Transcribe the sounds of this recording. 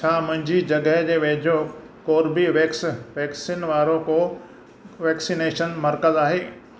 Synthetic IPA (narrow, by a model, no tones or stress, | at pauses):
t͡ɕʰaːmʊ̃ɦɪ̃ɲd͡ʑid͡ʑɐɡəɦd͡ʑeːʋeːd͡ʑʱo | koːɾbiʋeksʋɛːksiːnʋaːɾõko | ʋɛːksineːʃənmɐɾkəzaːɦeː